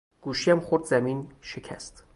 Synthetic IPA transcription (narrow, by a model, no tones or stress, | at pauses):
ɡ̥uːʃiæmχoɾd̪zæmiːnʃecʲʰæ̰st̪